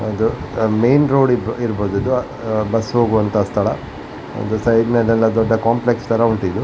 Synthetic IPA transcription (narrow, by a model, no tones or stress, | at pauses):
ɐd̪u | me̞ːnɾo̞ːɽiiɾboːd̪ɐd̪ːu | bɐsɦo̞ːɡuʋɐnt̪ɐaːst̪ʰɐɭɐ | ɐ̰d̪usɐjd̪nɛlːɛlːɐd̪ɔɖːɐkaːmplekst̪ʰɐɾɐuɳʈid̪ːu